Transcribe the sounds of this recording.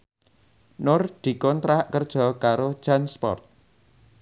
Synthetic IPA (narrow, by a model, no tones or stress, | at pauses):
nʊrd̪̥i̤kɔnt̪ɾakərd̥ʒ̥ɔ̤kaɾo̥ʒ̥anspɔ̰rt̪̚